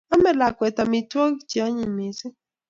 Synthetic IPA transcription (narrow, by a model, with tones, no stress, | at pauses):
a˦mɛ˨la˨kwɛ˨t̪a˨mi˨twɔ˦kt͡ʃi˨a˦ɲi˨mi˨si˦